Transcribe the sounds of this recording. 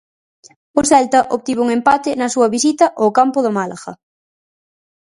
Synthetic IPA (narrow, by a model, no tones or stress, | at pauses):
oθɛlt̪ɐʔoβ̚t̪iβouŋempat̪ɪnɐsuɐβisit̪ɐʔokampoðomalaɣɐ̰